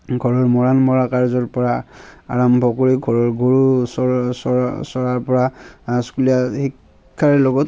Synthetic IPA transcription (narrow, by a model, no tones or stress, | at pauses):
ɡʱɔɹɔɹmɔɹanmɔɹakaɹzɔɹpɔɹaa̰ɹambʱɔkoɹiɡʱɔɹɔɹɡoɹusɔsɔsɔɹaɹpɔɹaskulijahikʰː | aɹɔlɔɡɔt